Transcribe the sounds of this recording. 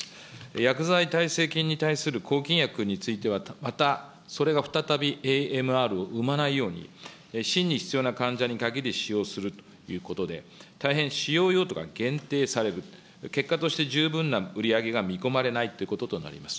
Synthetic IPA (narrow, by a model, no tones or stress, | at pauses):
jakɯ̟zait̪aise̞ːkʲĩɲ̟ːit̪aisɨɾɯ̟kʰo̞ːkʲĩɰ̃jakɯ̟ɲ̟it͡sɨit̪e̞β̞amat̪a | so̞ɾe̞ɡaɸɯ̟̥t̪at̪abʲiʔeːemɯ̟aɾɯ̟o̞ʔɯ̟manaijo̞ːɲ̟ḭ | ɕĩɲ̟ːiçi̥t͡sɨjo̞ːnakãɲ̟d͡ʑaɲ̟ikaɡʲiɾʲiɕijo̞ːsɨɾɯ̟t̪o̥ | jɯ̟ːko̞t̪o̞d̪e̞t̪aiɦẽ̞ɰ̃ɕijo̞ːjo̞ːt̪o̞ka̰ɡẽ̞nt̪e̞ːsaɾe̞ɾɯ̟ | ke̞kːat̪o̞ɕi̥t̪e̞ʑɨːbɯ̟̃nːaɯ̟ɾʲiaɡe̞ɡamʲiko̞maɾe̞nait̪o̞iɯ̟ko̞t̪o̞t̪o̞na̰ɾʲḭmasɨ̥